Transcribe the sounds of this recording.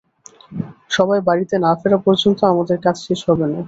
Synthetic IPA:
ʃɔbaebaɾit̪enafeɾapɔɾd͡ʑont̪oamad̪eɾkat͡ɕʰʃeʃɦɔbena

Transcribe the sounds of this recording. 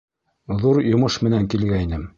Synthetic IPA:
ðuɾjŏmɤʃmɘ̆næŋkilɡæinɘm

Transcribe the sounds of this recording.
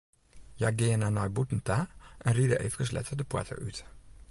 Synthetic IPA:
jaɡeːənanɔjbutn̩taːʔɛnridəʔeːfəkəslɛ̰tədəpwa̰tʰə̰yt

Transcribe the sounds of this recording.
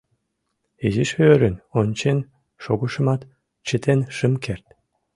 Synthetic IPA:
eziʃøɾənonʲt͡ɕen | ʃoɡuʃə̆mɑt̪ | t͡ɕət̪ʰenʃəmkert̪

